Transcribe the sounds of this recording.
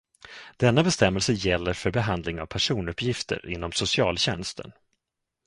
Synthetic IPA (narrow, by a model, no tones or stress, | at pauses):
d̪̥ɛnːabɛst̪ɛmːɛlsəjɛlːəɾfœɾbɛɦand̪lɪŋa̰vpʰæʂuːnɵpːjɪft̪ʰə̰ɾɪnːɔmsʊsɪɑ̰ːlɕɛ̰nst̪ʰə̰n